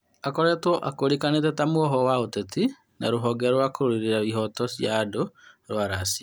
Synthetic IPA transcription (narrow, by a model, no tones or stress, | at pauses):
akɔɾɛtwɔʔakoɾekanetɛtamwɔɦɔwaoteti | naɾoɦɔɡɛɾɔɾwakoɾoɾiɾeɾaβiɦɔtɔsjadoɾwaɾasia